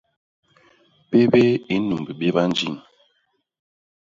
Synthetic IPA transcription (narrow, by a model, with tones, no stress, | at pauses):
pe˦be˦i˦nu˨mbi˨ɓe˦ba˦n˦d͡ʒi˦˨ŋ